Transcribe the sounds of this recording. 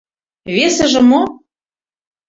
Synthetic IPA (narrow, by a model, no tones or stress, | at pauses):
βesɘ̆ʒɘ̆mo